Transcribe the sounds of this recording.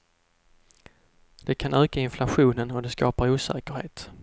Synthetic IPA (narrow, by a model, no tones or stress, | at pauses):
d̪̥ɛkʰanøːkaɪnflaɧuːnənɔd̪ɛskɑːpaɾuːsɛ̰ːkəɾheːt̪